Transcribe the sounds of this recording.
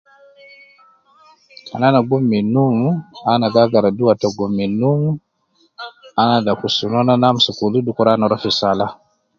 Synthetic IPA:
a̰nanaɡumːinumuanaɡaɡaɾaduatɔɡumːinumu | anadakusunɔnanamusukuludukuɾanɔɾɔfisala

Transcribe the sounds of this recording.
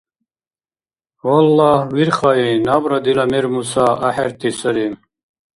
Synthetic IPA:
walːɑːhwiɾχainabɾad̪ilamɛɾmusaaħɛɾt̪ʰisəɾi

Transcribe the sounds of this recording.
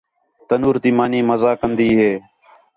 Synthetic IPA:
t̪ənuːɾt̪iːmaːniːməzaːkənd̪iːɦeː

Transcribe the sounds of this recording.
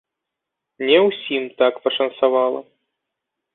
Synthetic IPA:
nʲɛwsʲimt̪akpɐʂɐnsavalˠɐ̰

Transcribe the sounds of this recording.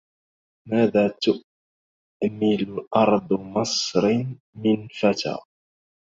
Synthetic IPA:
maːðaːt̪ʊ | mɪlʔɑɾˤd̪ˤmɑsˤɾ | mɪnfat̪a̰ː

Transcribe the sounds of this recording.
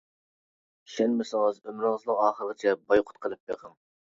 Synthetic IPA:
ʃɛnmɪsəŋəzømɾɨŋzlˠəqɑːχəɾʁɨt͡ʃʰɛbɑjqʰʊ̥t̪̚qʰəlˠɨpːḛqʰəm

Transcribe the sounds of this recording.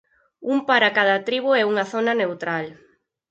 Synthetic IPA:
umpaɾakaðɐt̪ɾiβʊɛuŋaθonanewt̪ɾal

